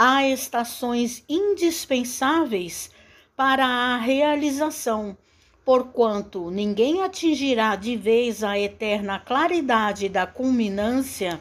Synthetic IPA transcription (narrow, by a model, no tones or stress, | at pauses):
aest̪asõj̃zĩd͡ʒispẽsavejs | paɾɐːɦealizasɐ̃w̃ | poɾkwɐ̃nt̪ʊnĩŋɡẽj̃at͡ʃĩʒiɾad͡ʒɪvejzɐet̪ɛɾnɐklaɾid̪ad͡ʒɪd̪ɐkulmĩnɐ̃siɐ